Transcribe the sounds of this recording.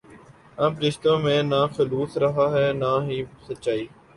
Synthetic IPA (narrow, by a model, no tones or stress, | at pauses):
əmɾɪʃt̪õːmẽːnaːxəluːsɾɐɦaːɦɛːnaːɦisətːt͡ʃaːiː